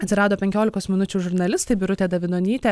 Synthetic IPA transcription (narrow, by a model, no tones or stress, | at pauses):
ɐt̪ʲsʲɪɾɑːd̪oːpʲɛŋʲkʲoːlʲɪkoːsmʲɪnʊt͡ʃʲuːʒʊɾnɐlʲɪst̪ɐɪbʲɪɾʊt̪ʲeːd̪ɐʋʲɪnoːnʲiːt̪ʲe